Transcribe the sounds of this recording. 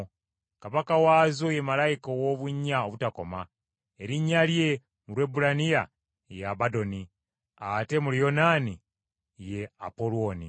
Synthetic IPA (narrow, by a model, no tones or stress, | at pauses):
kaβakawaːzoje̞malajikowoβuɲːaoβutako̞ma | e̞ɾiɲːalje̞ | mulwe̞bulanija | jaβado̞ni | ate̞mulijo̞nani | je̞apolwonḭ